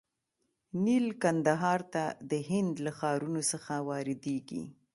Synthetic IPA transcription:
nilkand̪aɦɑɾt̪ad̪əɦɪnd̪laxɑɾunosəxawɑɾɪd̪eɡḭ

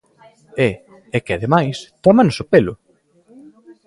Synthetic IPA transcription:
ɛ | ɛkeaðemajst̪ɔmanʊsʊpelʊ

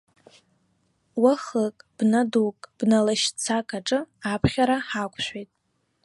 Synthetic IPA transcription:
waχəkʼb̥nadukʼb̥nalaʃt͡sʰakʼaʈ͡ʂʼɨapʰχʲaɾaħakʷʼʰʃʷᶣejtʼ

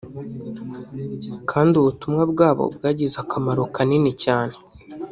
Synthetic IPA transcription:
kʰaːndiuβutumŋabɡaːβo̰bɡaːɟizakamaɾokaninecaːne̥

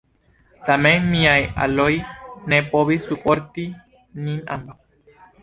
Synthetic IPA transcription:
t̪ameŋmĩaja̰lojnẽpoβisupoɾt̪i | nĩna̰mba

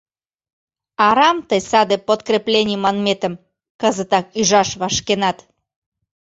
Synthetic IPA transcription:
ɑɾɑmt̪əjsɑd̪epot̪krʲeplʲenʲijmɑnmet̪ə̆m | kəzət̪ɑk̚yʒɑʃβɑʃkenɑt̪

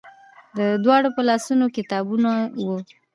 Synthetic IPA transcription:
d̪əd̪wɑɽopəlɑsunokɪt̪ɑbunawu

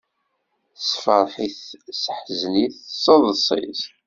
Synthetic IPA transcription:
sfəɾˤħiθsəħzniθsˤːɑðˤəsˤḭz

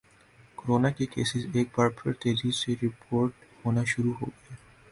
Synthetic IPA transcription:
koɾoːnakekeːsɪzeːk̚baːɾpʰɪɾt̪eːɾiːseɾɪpʰoːɾʈhoːnaʃʊɾuɦo̰ːɡɐeː

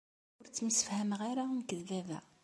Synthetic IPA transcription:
ʊɾt͡sːəməsə̥fhæmʁaɾankəðːævæ̰

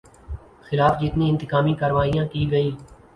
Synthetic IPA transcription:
xɪlaːfd͡ʒɪt̪nĩːɪ̃nt̪ɪkaːmiːkəɾʋaːijãːkiːɡəiː

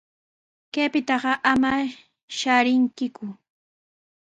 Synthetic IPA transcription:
kepɪt̪ɑɢɑʔama | ʃaɾɪŋkɪkʊ

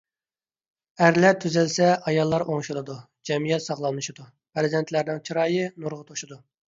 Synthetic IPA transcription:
æɾlæɾt̪ʰyzɪlsɛʔɑjɑlˠːɑɾoŋʃulˠɨd̪u | d͡ʒɛmijɛt̪sɑχlˠɑnːɨʃid̪u | pʰɾɪzɛnt̪ʰlæɾnɪŋt͡ʃʰiɾɑːjɨnuɾʁət̪ʰoʃud̪u

